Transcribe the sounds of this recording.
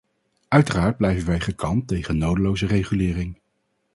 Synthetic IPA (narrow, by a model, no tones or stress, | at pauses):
œɥtəraːɹd̚blɛjvənʋɛjχəkʰɑntejχənːowdəlowzərejχylɪːrɪŋ